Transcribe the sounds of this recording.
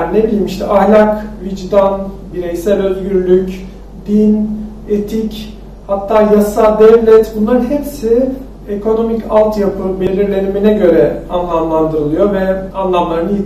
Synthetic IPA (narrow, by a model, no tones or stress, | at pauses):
nebilʲimiʃt̪ʰɛʔahlʲakvid͡ʒd̪anbiɾejsælʲø̞zɟyɾlʲyc | d̪in | et̪ʰic | hat̪ʰːaːjasad̪ɛvlʲɛt̪bunlˠaɾɯnɦepsi | ekʰo̞no̞micʰalˠt̪japʰɯbelʲiɾlʲe̞niminɛɟø̞ɾɛanlˠamlˠand̪ɯɾɯlˠɯjo̞vɛanlˠamlˠaɾɯnɯj